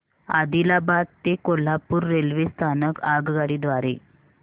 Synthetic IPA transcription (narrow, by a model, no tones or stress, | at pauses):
a̰d̪ilabad̪̚t̪ekol̤apuːɾːelʋest̪ʰanəkaɡɡaɽiːd̪ʋaɾe